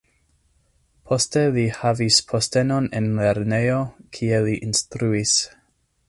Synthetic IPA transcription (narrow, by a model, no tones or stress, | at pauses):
pʰo̞ste̞lihavispʰo̞ste̞nonḛnle̞ɾnejo̞kʰie̞liʔinstɾuis